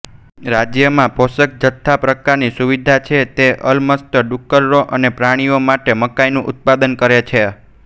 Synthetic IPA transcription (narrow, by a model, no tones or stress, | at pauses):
ɾad͡ʒjəmãbʱosək̚d͡ʒət̪ʰːapɾəkaɾnisuʋid̪ʱat͡ʃʰet̪eʔəlməst̪əɖukːəɾɾoʔənepɾaɽ̃iomaʈeməkajnũʔʊt̪̚pad̪ənkəɾet͡ʃʰe